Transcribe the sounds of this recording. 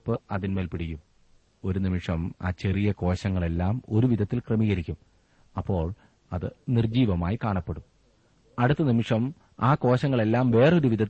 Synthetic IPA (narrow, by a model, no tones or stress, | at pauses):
pːɨɐðinmelpiɽijːum | o̞ɾunimiʂɐma̰ːt͡ɕe̞rijɐko̞ːɕɐŋːɐɭe̞lːaːmo̞ɾuʋiðɐt̪ːilkremiːɣɐɾikʲːum | ɐpːo̞ːɭ | ɐðɨnird͡ʑiːʋɐmaːjikaːɳɐpːeɽum | ɐɽut̪ːɐnimiʂɐm | aːko̞ːɕɐŋːɐɭe̞lːaːmʋe̞ːreo̞ɾuʋiðɐ